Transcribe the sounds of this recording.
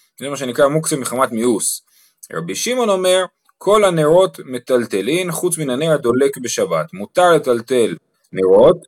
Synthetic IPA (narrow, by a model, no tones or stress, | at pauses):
emaʃ̬e̞nikʁamuksemeχamat̪mius | ʁa̰biʃimo̞no̞me̞ʁ | kʰo̞lhaneʁo̞t̪me̞t̪alt̪e̞linχut͡sminaneʁad̪o̞le̞kbe̞ʃabat̪mut̪aʁle̞t̪alt̪e̞l | neʁo̞t̪